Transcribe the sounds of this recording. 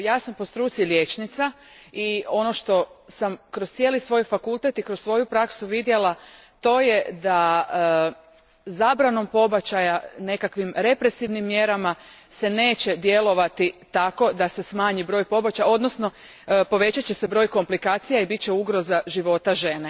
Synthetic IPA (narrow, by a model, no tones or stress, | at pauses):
jaːsampost̪ɾuːt̪silje̞t͡ʃnit̪sa | io̞no̞ʃt̪o̞samkɾost̪sʲjeːlisʋo̞ːjfakulˠt̪et̪ikɾossʋo̞jupɾaksuʋid̪je̞lˠa | t̪o̞ːje̞d̪a | zaːbɾano̞mpo̞bat͡ɕajane̞kakʋimɾe̞pɾe̞siʋnimːje̞ɾamase̞ne̞ːt͡ɕe̞d̪je̞lˠo̞ʋat̪it̪ako̞d̪ase̞smaːɲibɾo̞ːjpo̞bat͡ɕao̞d̪nosno̞ | po̞ʋe̞t͡ɕat͡ɕe̞sebɾo̞ːjko̞mplikaːt̪sijaibit͡ɕeuɡɾo̞zaʒiʋo̞t̪aʒe̞ne